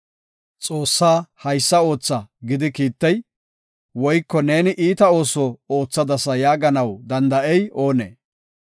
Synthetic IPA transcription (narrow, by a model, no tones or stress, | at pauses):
t͡sʼo̞ːsːaːhɐjsːɐo̞ːt͡sːɐɡɪd̪ɪkiːt̪ːɛj | wɔjkːɔne̞ːnɪʔiːt̪ɐo̞ːsɔoːt͡sːɐd̪ɐsɐjaːɡɐnɐwd̪ɐnd̪ɐʔɛjo̞ːnḛː